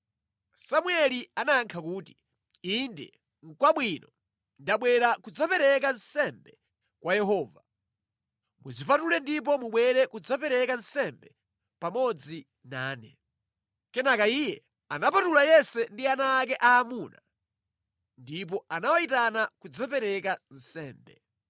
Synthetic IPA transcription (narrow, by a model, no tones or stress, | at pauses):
samwɛlianaːŋkʰakuːti | indɛ̰ | ŋ̩kwaɓwinɔ | ndaɓwɛɾakud͡zapɛɾɛk̬ansɛmbɛ | kwajɛɦɔːva | muzipatulɛndip̬ɔmuɓwɛɾɛkud͡zapɛɾɛkansɛmbɛ | pamɔd͡zi | naːnɛ | kɛnakaijɛ | anapatulajɛsɛndianaːk̬ɛʔaːmuna̰ | ndip̬ɔanawaitanakud͡zapɛɾɛkan̩sɛːmbɛ